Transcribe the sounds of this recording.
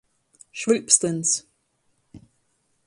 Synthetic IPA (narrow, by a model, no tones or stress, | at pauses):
ʃɹʉˑpstə̃nz̥